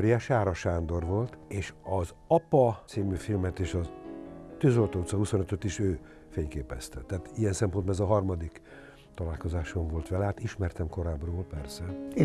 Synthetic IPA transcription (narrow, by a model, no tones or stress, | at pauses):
ɾijɛʃaːɾɒʃaːnd̪o̞rʋo̞lt̪eːʃɒz | ɒpɒt̪siːmyːfilmɛt̪eːʃɒ | t̪øːzo̞lt̪oːut̪sɒɦuso̞nøt̪øt̪iʃøː | feːɲkeːpɛst̪ɛt̪ːɛaːt̪ijɛnsɛmpond̪bɒnɛzɒɦɒrmɒd̪ik | t̪ɒlaːlko̞zaːʃoɱvo̞lt̪ʋɛlɛɦaːt̪iʃmɛrt̪ɛmko̞ɾaːbroːlpɛrsɛe